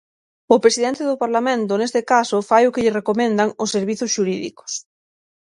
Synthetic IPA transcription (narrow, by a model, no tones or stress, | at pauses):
ʊpɾesiðɛnt̪eðʊpaɾlamẽnt̪ʊnest̪ekasʊfajʊkɪʎɪrekomẽnd̪aŋʊsːeɾβiθʊsʃuɾiðḭko̥s